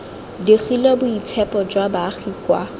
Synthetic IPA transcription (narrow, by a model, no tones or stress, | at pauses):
diχilɛbʊit͡sʰɛpʼɔd͡ʒwabaːχiːkʼwa